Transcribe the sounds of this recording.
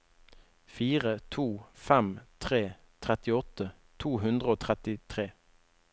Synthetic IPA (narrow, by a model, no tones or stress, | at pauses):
fiːʁət̪ʰuːfɛmt̪ʰʁeː | t̪ʰʁɛt̪ɪɔt̪ə | t̪ʰuːhʉnd̪ʁəoːt̪ʰʁɛt̪ɪt̪ʰʁeː